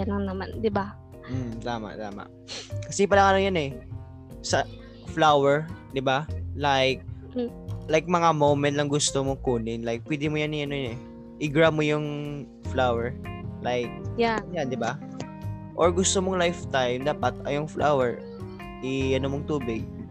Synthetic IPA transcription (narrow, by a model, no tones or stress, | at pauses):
ɐnoŋnɐmand̪ɪba | m̩t̪aːma̰ʔt̪aːma̰ʔ | kɐsɛpɐlɐŋʔɐnojanɛ | sɐ | flawɛɹd̪ɪbalajk̚ | lajk̚mɐŋamowmɛnt̪lɐŋɡʊst̪omokuːnɪnlajk̚pːwɛd̪ɪmojanɪʔɐnonɛ | ʔɪɡɹamojʊŋ | flawɛɹlajk̚jajand̪ɪba | ʔoɹɡʊst̪omoŋlajft̪ajmd̪aːpɐt̪̚ɐjoŋflʔa̰wɛɹ | ʔɪʔɐnomoŋt̪uːbɪɡ̚